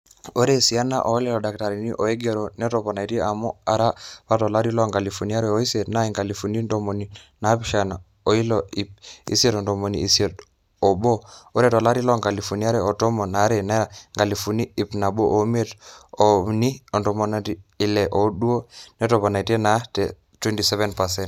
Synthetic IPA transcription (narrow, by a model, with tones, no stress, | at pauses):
o˦ɾe˦˨si˨a˦na̰˦˨ʔo˨˦lɛ˦˨lɔ˨da˨kta˨ɾi˨ni˦ʔo˨e˦ɡe˨ɾo˨ne˦to˨pɔ˨na˨i˨ti˦ʔa˨mo˦a˨ɾa˦pa˦tɔ˨la˦ɾi˦lɔ˦ŋɡa˨li˨fu˨ni˦a˦ɾɛ˨o˦i˦se˨tna˦i˨ŋɡa˨li˨fu˨ni˦ndo˨mo˨ni˨ | na˨˦pi˨˦ʃa˨na˨ | o˨i˦lo˨i˨p̚ḭ˦si˦e˦tɔ˨ndo˨mo˨nḭ˨i˨si˦e˨t | o˨bo˦u˦ɾɛ˦tɔ˨la˦ɾi˦lɔ˦ŋɡa˨li˨fu˨ni˦a˦ɾɛ˨o˨to˦mo˨na˨˦ɾe˨na˦a˨ŋɡa˨li˨fu˨ni˦i˨pna˨bo˦ʔo˨˦me˦to˨ni˦ɔ˨ndo˨mo˨na˨ti˨i˨lɛ˨ʔo˨ɗu˦o˦ne˦tɔ˨pɔ˨na˨i˨te˦na˨tɛ˨ | twɛ˦nti˨sɛ˦vɛ˦npa˨sɛ˦nt